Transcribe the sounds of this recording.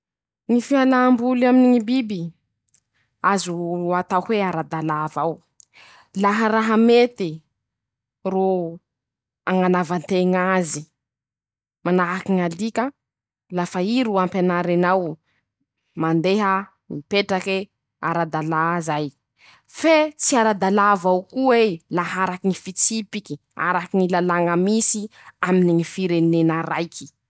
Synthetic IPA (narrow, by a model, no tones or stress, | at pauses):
ŋifialambulaminiŋibibi | azuat̪awhweaɾad̪alaːvaw | laɦəɾaɦəmet̪i | ro | aŋanavant̪eŋazi | manaakiŋalikə | lafaiɾuampenaɾanaw | mand̪eɦə | nipeʈ͡ʂake | a̰ɾad̪alazaj | fet͡siaɾad̪alavawkuelaɦaɾakinifit͡sipiki | a̰ɾakiŋilalaŋəmisiaminiŋifiɾenenaɾajkʰi̥